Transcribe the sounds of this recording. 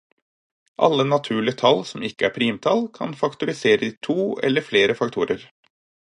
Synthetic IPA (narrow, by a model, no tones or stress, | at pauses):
ʔɑ̰lːənɑt̪ʰʉːɭɪət̪ʰɑlsɔmɪkːəæːɾpʰɾiːmt̪ʰɑlkʰɑ̰nfɑkt̪ʊɾɪseːɾəiːt̪ʰuːɛ̰lːəɾfleːɾəfɑk̚t̪ʰuːɾʔəɾ